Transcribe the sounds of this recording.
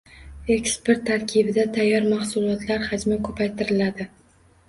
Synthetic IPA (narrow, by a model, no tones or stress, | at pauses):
e̞kspe̞ɾt̪ʰːaɾkʲʰɪbɪd̪at̪ʰajːɒɾmahsʊlˠɒt̪ʰlaɾhad͡ʒmakʰɵpʰajt̪ʰɪɾɪlad̪ɪ